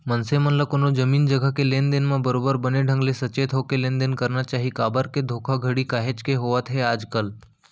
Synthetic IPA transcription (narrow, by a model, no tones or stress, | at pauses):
mənsemənləkonod͡ʒəmiːnd͡ʒəɡʱakelend̪enmãbəɾobəɾbəneɖʱə̃ŋɡlesət͡ʃet̪ʰɦokelend̪enkəɾnat͡ʃaɦikabəɾked̪ʱokʰaɡʱəɽikaɦet͡ʃkeɦoʋat̪ɦɛaːd͡ʒkəl